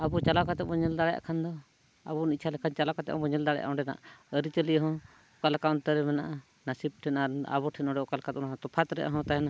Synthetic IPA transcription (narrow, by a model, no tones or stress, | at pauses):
abut͡ʃalakat̪ɛbɔɲɛld̪aɽɛja̰ʔkʰand̪ɔ | a̰bɔnit̚t͡ʃʰalɛkʰant͡ʃalakat̪ɛ̰ʔbɔɲɛld̪aɽɛja̰ʔɦɔ̃ɖɛna̰ʔəɾit͡ʃəliɦɔ̃ | kalakawnt̪əɾɛmɛna̰ʔa | nasib̚ʈʰɛnaɾa̰βɔʈʰɛnɔɖɛʔɔkalkat̪ɔnat̪ɔpʰat̪ɾɛ̰ʔa̰ɦɔ̃t̪aɛna